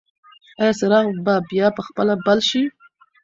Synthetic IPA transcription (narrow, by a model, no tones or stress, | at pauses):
ɑjɑsəɾɑɣbabjɑpəxpəlabalʃi